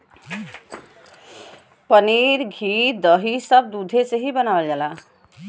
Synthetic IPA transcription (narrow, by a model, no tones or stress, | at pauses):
pəniːɾɡʱiːd̪əɦisəb̚d̪ud̪ʱeseɦibənaːʋəld͡ʒaːlaː